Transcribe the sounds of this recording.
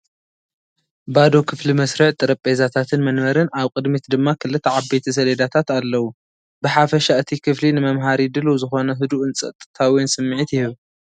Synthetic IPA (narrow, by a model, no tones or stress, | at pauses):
bad̪o̞kʰɨflimɐsɾɨʕt̪ʼɨɾɐpʼezat̪ʰat̪ʰɨnmɐnmɐɾɨnaβkʼɨd̪mit̪d̪ɨmːakʰɨlːɨt̪ʰːɐʕabbet̪ʰɐs̬ɐled̪at̪ʰat̪alːɐwu | bɨħafɐʃaɨt̪ʰikʰɨflinɨmɐmɦaɾid̪ɨluzɨxo̞nɐɦɨd̪uʔɨnt͡sʼɐ̰t̪ʼɨ̥t̪ʰawijnsɨmːɨʕit̪jɪhɨβ